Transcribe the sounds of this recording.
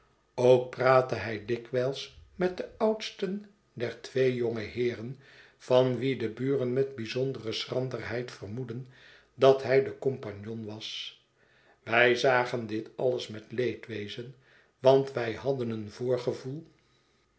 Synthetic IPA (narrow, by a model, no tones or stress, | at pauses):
owk̚praːtəɦɛjdɪkʋɛlˠsmɛt̚dəʌwtstən | dɛɹtʋejjoŋəhɪːrən | v̥ɑnʋidəbyːrənmɛd̚bizondərəsrɑndərɦɛjtfərmudən | dɑtɦɛjdəkɔmpɑɲjonʋɑs | ʋɛjzaːχəndɪtɑləsmɛtlejtʋejzən | ʋɑntʋɛjhɑdənənvʊːɹχəvulˠ